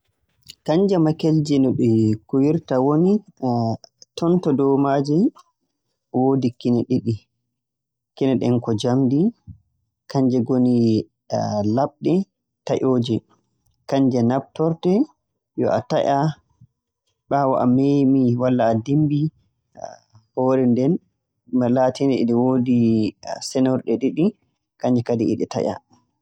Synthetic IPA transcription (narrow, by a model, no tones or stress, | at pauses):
kaɲd͡ʒɛmakɛld͡ʒɛnɔɓɛkuwiɾtawoni | tɔntɔdɔwmad͡ʒɛ | wodikinɛɗiɗi | kinɛɗɛnkɔd͡ʒamdi | kaɲd͡ʒɛɡoni | laɓɗɛ | taʔoːd͡ʒɛ | kaɲd͡ʒɛnab̚tɔɾtɛ | jɔ̰ʔa̰taʔa | ɓawaʔamemiwalːaːdimbi | hɔɾɛndɛn | malaːtinɛḭɗɛwoːdisɛnɔɾɗɛɗiɗi | kaɲd͡ʒɛkadiɛɗɛta̰ʔa̰